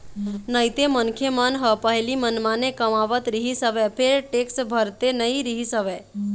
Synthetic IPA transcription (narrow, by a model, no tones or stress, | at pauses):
nəjt̪emənkʰemanɦəpəɦjlimənmanekəmaʋət̪ɾiɦisəʋepʰeɾʈeksbʱəɾt̪enəɦiɾiɦisəʋe